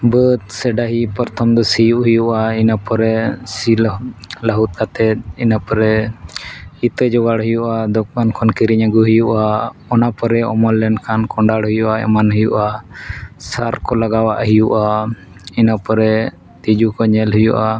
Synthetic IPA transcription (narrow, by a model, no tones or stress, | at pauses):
bət̪̚sɛɖaɦipɔɾt̪ʰɔmd̪ɔsijuʔɦujuʔainapɔɾɛsillaɦut̪̚ˀkat̪ɛt̪̚inapɔɾɛ | it̪əd͡ʒɔɡaɽɦujuʔad̪ɔk̚bankʰɔnkiɾiɲaɡuɦijuʔaɔnapɔɾɛɔmɔllɛɳɖkʰankɔɳɖaɽɦujuʔaɛ̰manɦəjuʔa | saɾkɔlaɡawaʔɦijuʔa | inapɔɾɛ | t̪id͡ʒukɔɲɛlɦujuʔa